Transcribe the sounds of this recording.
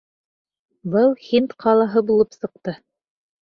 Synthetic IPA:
bɤlˠxint̪qʰɑlˠɑɦɤbulˠɤpsɤ̆q̚t̪ɤ

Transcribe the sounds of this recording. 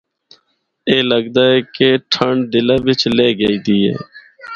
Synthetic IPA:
eːləɡd̪aːɦɛːkeːʈʰəɳɖɪlaːʋɪt͡ʃleːɡəiːt̪iːɦḛː

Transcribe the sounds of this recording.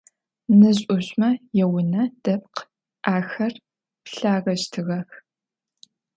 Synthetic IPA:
nɨʑʼʊɕʼmɐjɛwʊnɐd̥ɐp̚q | ʔaːxɐr | pɬaːɣɐʃtʰɨɣɐx

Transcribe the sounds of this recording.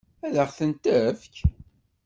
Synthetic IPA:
æðəχθənt̪əfk

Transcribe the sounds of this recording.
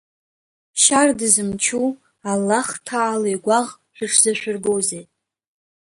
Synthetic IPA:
ʃardɨzɨmt͡ʃʰu | alːaχtʰaːlojɡʷaʁ | ħᶣɨʂʰzaʃʷᶣʊrɡowze

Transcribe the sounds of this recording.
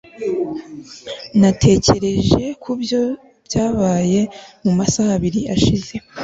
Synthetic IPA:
natʰe̞ːce̞ɾe̞ʒe̞kʰubjo̞ | b̥jaːβaːje̞mumasahaβiɾiaʃize̞

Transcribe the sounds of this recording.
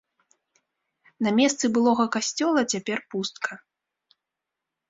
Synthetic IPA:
nɐmʲɛst̪sɨbɨlˠɔɣɐkasʲt͡sʲɔlˠɐt͡sʲapʲɛrpust̪̚kʰɐ

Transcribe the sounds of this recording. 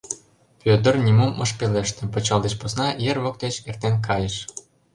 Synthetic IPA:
pøt̪ə̆rnʲimumɤ̆ʃpeleʃt̪ĕpot͡ɕɑld̪eʃposnɑjerβok̚t̪et͡ɕert̪enkɑjəʃ

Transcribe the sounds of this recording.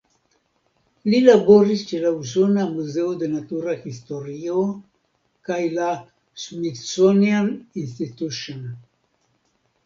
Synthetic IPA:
lilaboɾist͡ʃelausonamuzeud̪enat̪uɾaxist̪oɾio | kajla | sumit̪sonianinst̪it̪uʃon

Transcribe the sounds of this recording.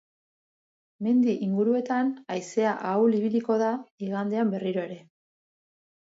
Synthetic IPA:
me̞nd̪iʔiŋɡuɾue̞t̪anajse̞aʔawliβiliko̞ðaiɣand̪e̞ambe̞riɾo̞e̞ɾe̞

